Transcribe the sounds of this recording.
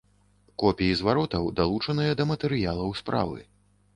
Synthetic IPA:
kɔpʲijizvaɾɔt̪ɐwd̪alˠut͡ʂɐnɨjɐd̪ɐmɐt̪ɛɾɨjalˠɐwspɾa̰vɨ̰

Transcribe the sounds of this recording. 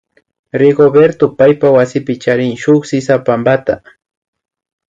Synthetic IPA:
ɾɪɡobeɾt̪ʊpajpawasɪpɪt͡ʃaɾɪŋʃʊχsɪsapambat̪a

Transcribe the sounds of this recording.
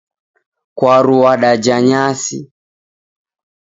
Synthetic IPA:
kwaɾuwaɗad͡ʒaɲasi

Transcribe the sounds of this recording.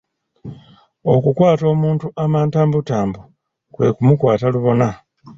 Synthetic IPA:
o̞kukwaːto̞ːmuːntuʔamaːntaːmbutaːmbu | kwe̞̰kumukwaːtaluβo̞na

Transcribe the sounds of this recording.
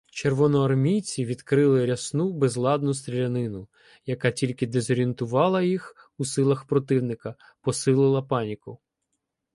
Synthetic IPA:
t͡ʃerʋɔnɔɐrmʲijt͡sʲiʋʲid̪kɾɪlˠɪɾʲɐsnubɛzlˠɑd̪nʊst̪ɾʲilʲɐnɪnʊ | jɐkɑtʲilʲkɪd̪ezɔɾʲient̪ʊʋɑlˠɐjix | usɪlˠɐxpɾɔt̪ɪwnɪkɐ | pɔsɪlˠɪlˠɐpɑnʲikʊ

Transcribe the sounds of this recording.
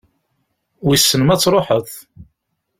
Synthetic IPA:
wisːənmæt͡sːɾˤoħəðˤ

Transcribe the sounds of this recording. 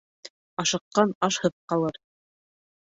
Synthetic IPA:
ɑʃɤ̆qːɑnɑʃhɤ̆ðqɑlˠɤɾ

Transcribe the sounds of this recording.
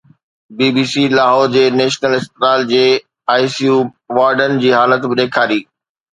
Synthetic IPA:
biːbiːsilaːɦoːd͡ʑeːneːʃnəlɪst̪ɪɾaːld͡ʑeː | aːisijuːʋaːɾɖənɪ̆d͡ʑiːɦaːlət̪bɪɗ̪eːkʰaːɾiː

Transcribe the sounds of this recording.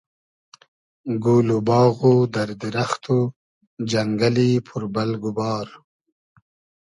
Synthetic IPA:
ɡuːlubɑːɣod̪aɾd̪iɾaxt̪u | d͡ʒaŋɡalipʰʊɾbalɡubɑːɾ

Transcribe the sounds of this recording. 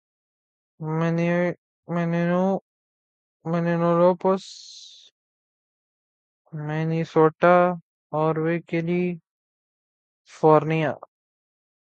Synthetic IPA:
meni | menenu | menenõloːpos | meːnisoːʈa | ɔːɾʋeːkeli | foːɾnija̰ː

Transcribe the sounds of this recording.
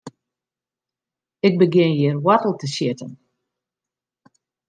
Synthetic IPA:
ɪk̚bəɡjɪnjɪərwatəl̩ˠtəsjɪtən

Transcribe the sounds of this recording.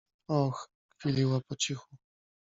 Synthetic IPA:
ɔx | fʲilʲiwapɔt͡ɕixu

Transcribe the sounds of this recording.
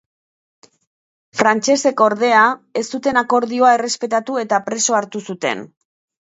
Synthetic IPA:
fɾant͡ʃe̞se̞koɾðe̞ae̞st̪ut̪e̞nako̞ɾðio̞ae̞re̞spe̞t̪at̪ue̞t̪apɾe̞so̞aɾt̪usut̪e̞̰n

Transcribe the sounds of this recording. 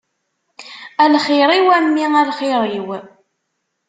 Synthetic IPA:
ælχiɾˤiwæmːiælχiɾˤiw

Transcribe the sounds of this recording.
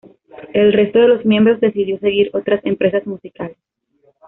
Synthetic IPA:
e̞lre̞st̪o̞ð̞e̞lo̞zmje̞mbɾo̞zðe̞siðjo̞s̬eɣiɾo̞t̪ɾase̞mpɾe̞sazmusikales

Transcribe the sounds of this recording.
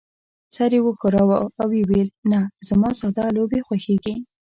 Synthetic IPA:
sɑɾewəkʊɾawaawewelnaz̥amɑsad̪ɑlobexwaxeɡi

